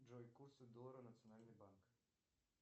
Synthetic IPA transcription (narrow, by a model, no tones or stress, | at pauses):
d͡ʒojkusud̪oɾonat̪sijonaːlnibaŋk